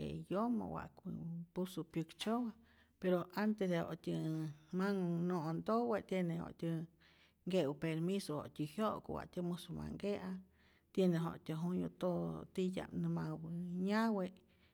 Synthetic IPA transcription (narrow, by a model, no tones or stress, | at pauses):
ḛjoma̰wa̰ʔkʷipusupjukt͡ʃowa | peɾoant̪esd̪eho̰ʔt̪ʲəmaŋnõʔnd̪owet̪jeneho̰ʔt̪ʲə | ŋɡeʔwɨpeɾmisoho̰ʔt̪ʲihjoʔkowa̰ʔt̪ʲəmusoma̰ŋɡeʔa | t̪jeneɦo̰ʔt̪ʲəɦunjot̪ot̪ija̰mnɨmawɨɲaweʔ